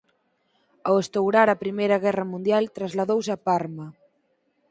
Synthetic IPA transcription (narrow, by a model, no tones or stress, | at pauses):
awest̪owɾaɾapɾimejɾɐɣɛrɐmũnd̪jalt̪ɾazlaðowsapaɾmɐ